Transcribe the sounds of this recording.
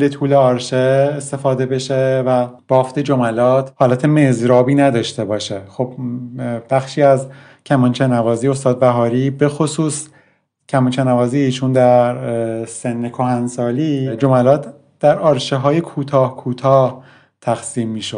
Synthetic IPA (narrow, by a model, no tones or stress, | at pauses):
let̪ʰuːleɒːɾʃeːst̪e̞fɒːd̪e̞be̞ʃevæb̥ɒːft̪ed͡ʒomælɒːt̪ʰhɒːlæt̪ʰemezɾɒːbiːnæd̪ɒːʃt̪e̞bɒːʃexo̞b̥ | b̥æxʃiːæz | cʰæmɒnt͡ʃʰenævɒːziːost̪ɒːd̪̚bæɦɒːɾiːbe̞xosuːs | cʰæmɒnt͡ʃʰenævɒːziːt͡ʃʰund̪æɾsenːekʰoɦænsɒːliːd͡ʒomælɒːt̪ʰ | d̪̥æɾɒːɾʃeɦɒːjekʰuːt̪ʰɒːhkʰuːt̪ʰɒːh | t̪ʰæxsiːmːiːʃod̪̥